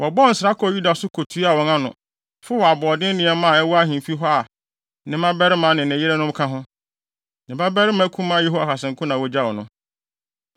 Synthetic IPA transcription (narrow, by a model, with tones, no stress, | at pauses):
wɔ˨bɔ˦n̩˨sɾa˦kʰɔ˨ju˦da˨sʊ˦kʰo˨tʰu˨˦a˨wɔ̃˨ŋã˦nʊ̰̃˨ | fʊ˦wɔ˨a˨bɔː˨dɪ̃˦nɪ̃˨˦ɛ˦mã˦˨ɛ˦wɔ˦a˦ɦĩ˨fi˦ɦɔ˦a˨ | nɪ̃˨mã˦bɛ˦ɾɪ˦mã˨˦nɪ̃˨nɪ̃˨jɪ˦ɾɛ˦nʊ̃˦m˦kʰã˦ɦʊ̃˦ | nɪ̃˨ba˦bɛ˦ɾɪ˦mã˨˦kʰũ˦mã˦je˦ɦo˦a˨ka˨sɪ̃˨ŋ˨kʰʊ̃˦nã˨wɔ˨d͡ʑa˦wɔ˨nʊ̃˦